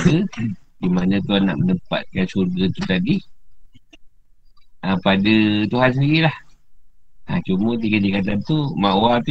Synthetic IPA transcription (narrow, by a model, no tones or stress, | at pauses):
kədimanə̃klana̰ʔmənəpa̰t̪̚kansurɡət̪ut̪adi | əpadət̪uɦans̬əndiɾilah | at͡ʃumət̪̬iɡadikat̪ant̪umaʔwat̪u